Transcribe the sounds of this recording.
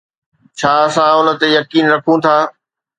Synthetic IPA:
t͡ɕʰaːɐsãʊnə̆t̪ejɐkiːnɾɐkʰũt̪ʰaː

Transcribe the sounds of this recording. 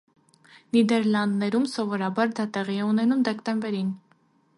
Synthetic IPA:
nid̪ɛɾlɑnd̪nɛɾumsɔvɔɾɑbɑɾd̪ɑt̪ɛʁiɛunɛnumd̪ɛkt̪ɛmbɛɾin

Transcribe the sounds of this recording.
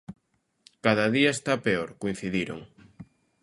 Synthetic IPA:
kaðaðiaest̪apeoɾkoin̟θiðiɾo̰ŋ

